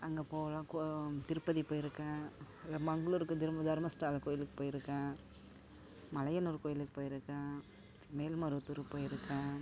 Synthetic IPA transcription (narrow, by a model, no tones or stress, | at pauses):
ɐŋɡeːpoːʋɐlãːkot̪ɪɾɯpːɐðipoːjɪɾɯkːɐ̃ː | ɐmɐŋɡɐɭuːɾɯkːɯd̪ɪɾmɐd̪ʱɐɾmɐsʈaːlkoːjɪlɯkːɯ̥poːjɪɾɯkːãː | mɐlɐjɐnuːɾɯkoːjɪlɯkːɯ̥poːjɪɾɯkːãː | meːlmɐɾɯt̪ːuɾɯpːoːjɪɾɯkːãː